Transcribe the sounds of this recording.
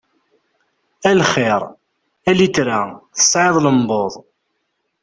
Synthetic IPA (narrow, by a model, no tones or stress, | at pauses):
ælχɪɾˤ | ælit͡sɾaθə̥sˤːʕeðˤləmboðˤ